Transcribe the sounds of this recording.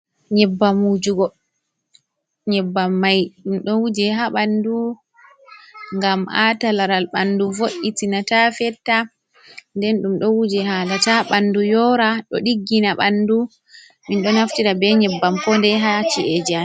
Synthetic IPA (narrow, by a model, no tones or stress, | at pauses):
ɲɛbːamud͡ʒuɡɔ | ɲɛbːamːajɗumɗɔwud͡ʒɛɦaɓandu | ŋɡamʔatalaɾalɓanduvoʔitinatafɛtːa | ndɛnɗumɗɔwud͡ʒɛhalataɓandujɔɾaɗɔ̰ɗiɡːinaɓandu | minɗɔnaftiɾabɛɲɛbːampɔndɛɦat͡ʃiʔɛd͡ʒa